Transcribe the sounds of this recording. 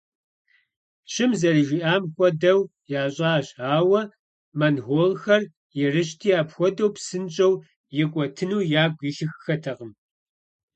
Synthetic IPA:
ɕɪmzɐriʒiʔaːmxʷɔdɐw | jaːɕʼaːɕaːwɐ | mɐnɦʷoːlxɐr | jɪrɨɕ̬tʰiːaːpxʷɔdɐwpsɨnt͡ʃʼɐw | jɪkʷʼɔtʰɨnuːjaːɡʷiɬɪxxɐtʰɐqəm

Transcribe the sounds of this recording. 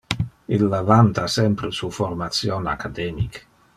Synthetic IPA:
ilːavant̪asɛmpɾesuformat̪sjona̰kad̪ɛːmik

